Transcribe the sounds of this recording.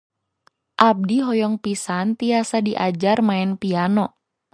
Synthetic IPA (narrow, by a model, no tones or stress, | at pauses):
ʔab̚diɦɔjɔŋpisant̪iasadiʔad͡ʒarmaɛnpianɔ